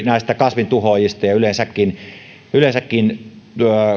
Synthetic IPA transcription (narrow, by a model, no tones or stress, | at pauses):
næˑest̪ækɑsʋint̪uhojist̪ɑjɑylensækːin | ylensækːin